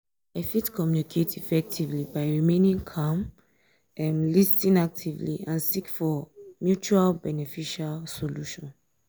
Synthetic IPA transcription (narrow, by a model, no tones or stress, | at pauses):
aɪfitkʰɔmjunikʰetʰifɛk̚tʰivlibaɪɹimẽnĩŋkʰãm | ɛmlistĩnak̚tʰivlḭãnsikfɔmjut͡ʃualbɛnɛfiʃalsoluʃɔ̃n